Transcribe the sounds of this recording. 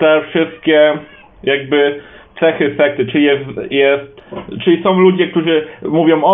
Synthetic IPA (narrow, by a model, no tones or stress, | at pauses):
t̪ɛfʂɘst̪̚kʲɛ | jaɡ̚bɘ | t̪sɛxɘfɛk̚t̪ɘt͡ʂɘlʲiɛsjɛst̪t͡ʂɘlʲisɔ̃w̃lud͡ʑɛk̚t̪uʐɘmuvʲjɔ̃w̃ɔ